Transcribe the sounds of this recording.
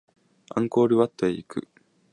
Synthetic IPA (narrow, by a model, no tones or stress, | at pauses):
ã̰ŋko̞ːɾɯ̟βat̪ːoeikɯ̟̰